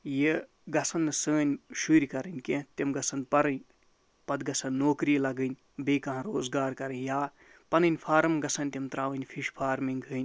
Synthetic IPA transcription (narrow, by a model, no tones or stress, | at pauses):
je | ɡɐsʰɐnːɨsəːnʲʃuːɾʲikɐɾɨnʲkẽt̪emɡɐsʰɐnpɐɾɨnʲ | pɐd̪ɡɐsʰɐnːoːkɾilɐɡɨnʲ | beːkɐɦɐ̃ɾoːzɡaːɾkɐɾɨnjaː | pɐnɨnʲpʰaːɾɐmɡɐsʰɐnʲt̪emt̪ɾaːʋɨnʲfʰiʃpʰaːɾmiŋɡʱɨːnʲ